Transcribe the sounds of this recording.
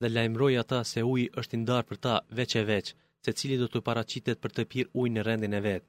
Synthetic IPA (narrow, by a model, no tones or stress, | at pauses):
ðɛlajmɾɔjat̪asɛujʔəʃt̪ind̪aɾpəɾt̪avɛt͡ʃɛvɛt͡ʃ | sɛt͡silid̪ɔt̪əpaɾat͡ʃit̪ɛt̪̚pəɾt̪əpiɾujnərɛnd̪inɛvɛt̪̚